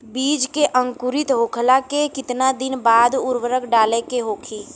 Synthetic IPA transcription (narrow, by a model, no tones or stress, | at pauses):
biːd͡ʒkeʔə̃ŋkʊɾɪt̪ɦoːkʰlakekɪt̪nad̪ɪnbaːd̪ʊɾwəɾəkʰɖaːlekeɦoːkʰiː